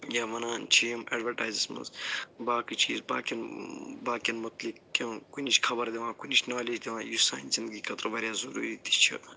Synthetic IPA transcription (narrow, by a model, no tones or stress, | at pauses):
jaːʋɐnaːnt͡ʃʰijmɐ̰ːɖʋɐɾʈaːjzismɐ̰zbaːkɨt͡ʃʰḭːzba̰ːkʲinbaːkʲinmɐt̪likkikunit͡ʃʰkʰɐbɐɾd̪eʋãːkunit͡ʃʰnaːled͡ʒd̪eʋãːjusa̰ːnzind̪ɡikʰɐt̪ɾbɐɾʲjaːzɐɾṵːɾit̪i̥t͡ʃʰḭ